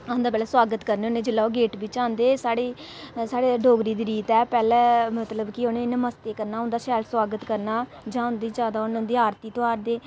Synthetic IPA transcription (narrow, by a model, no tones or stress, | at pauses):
ãʊ̃nd̪aːpɛːlɛːswaːɡət̪kəɾneːoːneːd͡ʒɪlːaːoːɡeːʈbɪt͡ʃãːnd̪eːsaːɽeː | saːɽeːɖʱoːɡɾiːd̪iːɾiːt̪ɛːpɛːlɛːmət̪ləbkɪoːnẽːnməst̪eːkəɾnaːɦʊ̃nd̪aːʃɛːlswaːɡət̪kəɾnaː | d͡ʒãːʊnd̪iːd͡ʒaːd̪aːʊnːnd̪iːaːɾt̪iːt̪oaːɾd̪eː